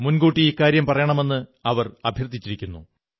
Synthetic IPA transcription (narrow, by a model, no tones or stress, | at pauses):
munɡuːʈːiikːaːɾjɐmpɐrɐjaɳɐme̞nːɨɐʋɐrɐbʱjɐrd̪ʱːit͡ɕːiɾikʲːunːu